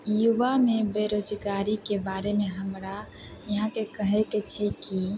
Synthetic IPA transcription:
juʋamebeɾod͡ʒɡaɾikebaɾemeɦəmɾa | jəɦãkekəɦɛket͡ʃʰɛki

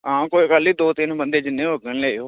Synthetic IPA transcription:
ãːkoːikəliːd̪oːt̪ɪnbənd̪eːd͡ʒɪnːẽːoɡənleːioː

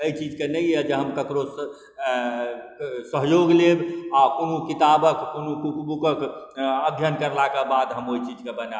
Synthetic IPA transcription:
əit͡ʃid͡ʒkenəiɛd͡ʒeɦəmkəkɾo | səɦjoɡlebɔkonukit̪abəkkonukukbukəkəbʱjənkəɾlakebad̪ɦəmoit͡ʃid͡ʒkebəna

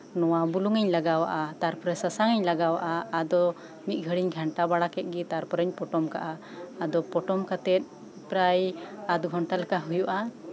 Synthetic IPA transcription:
nɔwabuluŋɛɲlaɡawa̰ʔat̪aɾpɔɾɛsasaŋɛɲlaɡawa̰ʔaːd̪ɔ | mit̪̚ˀɡʱəɽiɲɡʱaɳʈabaɽakɛt̪̚ˀɡɛt̪aɾpɔɾəɲpɔʈɔmka̰ʔaː | d̪ɔpɔʈɔmkat̪ɛt̪̚ | ipɾajat̪̚ɡʱɔɳʈalakaɦujuʔa

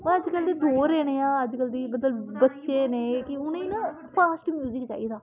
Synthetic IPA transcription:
ʋə̃əd͡ʒkəld̪eːd̪oːɾeːneːaːəd͡ʒkəld̪iːmət̪əlbətːʃeːneːkɪʊnẽnãː | pʰaːsʈmjuːzɪkt͡ʃa̰ːiːd̪aː

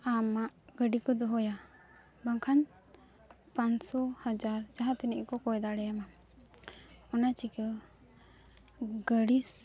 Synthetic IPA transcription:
amaʔɡəɖikɔd̪ɔɦɔja | baŋkʰaɲ | pansɔhad͡ʒaɾd͡ʒaɦãt̪inɛʔkɔkɔjd̪aɽɛjama | ɔnat͡ʃikə | ɡəɖis

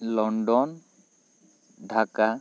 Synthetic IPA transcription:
lɔɳɖɔn | ɖʱaka

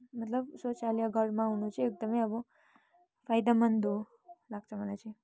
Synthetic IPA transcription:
mət̪lʌbsot͡ʃalijʌɡʱʌɽmãunũt͡sʰiek̚d̪ʌmʌjʌbʌ | pʰajd̪amənd̪o | laɡt͡sʰʌmʌlajt͡sʰi

